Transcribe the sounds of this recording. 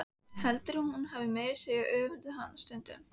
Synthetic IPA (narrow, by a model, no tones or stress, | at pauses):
hɛlt̪ɪɾhunhunɦavɪmeːjɾ̥sejaʔœːvʏɾðʏɦanːst̪ʏnt̪ʏ̰m